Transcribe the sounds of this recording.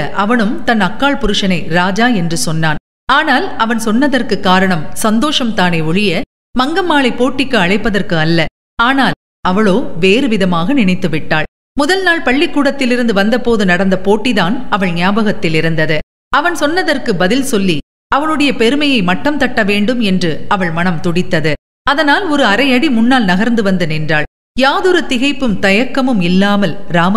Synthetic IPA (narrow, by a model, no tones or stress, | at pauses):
ʔɐʋɐɳɯmt̪ɐnɐkːaːɭpʊɾɯʂɐnɐɪɾaːd͡ʒaːɛndrɯsɔnːaːn | aːnaːlɐʋɐnsɔnːɐðɐrkɯkːaːɾɐɳɐmsɐnd̪oːʂɐmt̪aːneːʊɻɪjɐ | mɐŋɡɐmːaːɭɐɪpːoːʈːɪkːɯɐɻɐɪpːɐðɐrkɯɐlːɐ | aːnaːl | ɐʋɐɭoːʋeːɾɯʋɪðɐmaːɣɐnɪɳɐɪt̪ːɯʋɪʈːaːɭ | mʊðɐlnaːɭpɐɭːɪkːuːɽɐt̪ːɪlɪɾɯnd̪ɯʋɐnd̪ɐpoːðɯnɐɽɐnd̪ɐpoːʈːiðaːnɐʋɐɭnɪjaːbɐɣɐt̪ːɪlɪɾɯnd̪ɐðɯ | ɐʋɐnsɔnːɐðɐrkɯbɐðɪlsɔlːi | ʔɐʋɐnɯɽɐjɐpɛɾɯmɐjɐɪmɐʈːɐmt̪ɐʈːɐʋeːɳɖɯmɛndrɯɐʋɐɭmɐɳɐmt̪ʊɽɪt̪ːɐðɯ | ɐðɐnaːlɔɾɯɐɾɐɪɐɽimʊnːaːlnɐɣɐɾnd̪ɯʋɐnd̪ɯnɛndraːɭ | jaːðɯɾɯt̪ɪɣɐɪpːɯmt̪ɐjɐkːɐmɯmɪlːaːmɐlɾaːm